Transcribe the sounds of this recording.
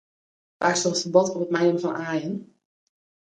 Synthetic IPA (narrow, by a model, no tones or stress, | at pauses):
ʋaːɹstɔntəbɔtɔpət̚mɛjəmvɑnʔaːjən